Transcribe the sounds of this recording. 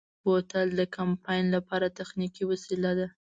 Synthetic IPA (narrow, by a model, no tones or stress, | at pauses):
bot̪ald̪əkampɑjnlapɑɾat̪axnikiwasilad̪a